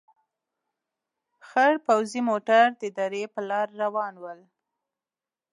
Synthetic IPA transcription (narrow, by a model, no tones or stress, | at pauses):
xaɽpawzimoʈaɾd̪əɪd̪ɑɾepəlɑɾːawɑnwəl